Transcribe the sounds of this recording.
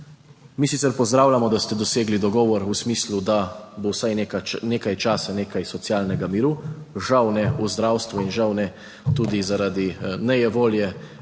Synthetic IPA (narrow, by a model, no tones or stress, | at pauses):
misit̪sɛɾpɔzd̪ɾaːwlʲamɔd̪ast̪ɛd̪ɔseːɡlid̪ɔɡɔːʋɔɾusmiːslud̪abowsajnkneːkajt͡ʃaːsaneːkajsɔt̪sjaːlnɛɡamiːɾuʒawnɛuzd̪ɾawst̪ʋuinʒawnɛ | t̪uːd̪izaɾad̪inɛjɛʋoːljɛ